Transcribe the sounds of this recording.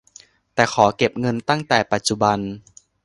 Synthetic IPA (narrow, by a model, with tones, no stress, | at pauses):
t̪ɛː˨˩kʰɔː˩˦ke˨˩p̚ŋɤ˧nt̪a˥˩ŋt̪ɛː˨˩pa˨˩t̪̚t͡ɕu˨˩ba˧n